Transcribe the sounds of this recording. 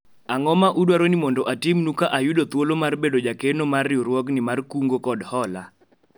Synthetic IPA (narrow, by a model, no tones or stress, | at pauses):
aŋɔmaʔudwaɾonɪmɔndɔʔatɪmnukaʔajʊdot̪wolomarbedod͡ʒakenomarːɪɔɾwɔknɪmarkuŋɡokɔdhɔla̰